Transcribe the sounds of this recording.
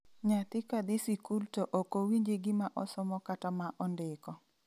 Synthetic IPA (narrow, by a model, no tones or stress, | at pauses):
ɲat̪ɪkad̪ɪsikultoʔokowiɲd͡ʒeɡɪmaʔɔsɔmɔkatamaʔɔndɪkɔ